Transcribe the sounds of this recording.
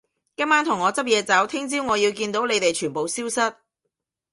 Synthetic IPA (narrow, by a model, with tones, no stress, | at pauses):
kɐ˥maː˥nt̪ʰʊ˨˩ŋːɔː˨˧t͡sɐ˥p̚jɛː˧t͡sɐ˨˥wt̪ʰɪ˥ŋt͡siː˥wŋɔː˨˧jiː˧wkiː˧nt̪o˨˥wle˨˧jt̪e˨jt͡ʃʰyː˨˩npo˨wsiː˥wsɐ˥t̚